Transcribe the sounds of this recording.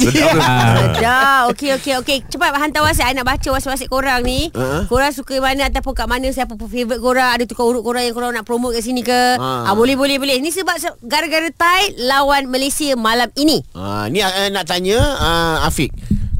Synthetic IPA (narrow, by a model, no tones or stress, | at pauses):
sad͡ʒaokeokeoket͡ʃəpat̪̚baɦant̪awas̬aanaʔbat͡ʃawasiʔwasiʔkoɾaŋnĩəkoɾaŋsukaimanə̃at̪awpʊnkaʔmanə̃sapufevɾət̪̚koɾaŋadat̪ukauɾʊʔ̚koɾaŋjaŋkoɾaŋnaʔpɾomot̪̚kaʔsinĩkəabolɛhbolɛhbəlɛhnĩsəbap̚səɡaɾaɡaɾət̪ajlawanmalesiəmalaminĩa̰nĩaənãʔt̪aɲə̃əafik̚